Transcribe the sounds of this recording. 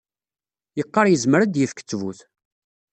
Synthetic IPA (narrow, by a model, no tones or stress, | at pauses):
jəqːɑɾjəzməɾæd̪jəfkə̥t͡sːvṵθ